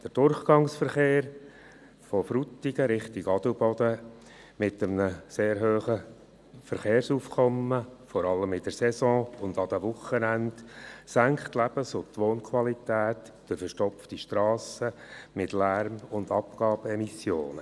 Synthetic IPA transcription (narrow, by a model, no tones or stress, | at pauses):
d̥əɾd̥ʊrχɡ̥ɑŋsfəɾχeːɾ | fɔfɾut̪iɡəɾɪχtiɡɑd̥ubɔd̥̪ə | mɪtəmnəseːɾɦøːχə | fəɾχeːɾsuːfkʰɔmːəfɔɾɑləmɪd̥əɾsɛsɔ̃ːʊnd̪ɑd̥̪ɛʋʊχːənændsæŋkχt̪læb̥əsʊt̪ʋoːnkʰwɑlit̪ɛːt | d̥ɪfəʃtɔpftiʃtɾɑːsə | mɪtlæɾmʊnd̪ɑpɡ̥ɑːbɛmisjo̰ːnə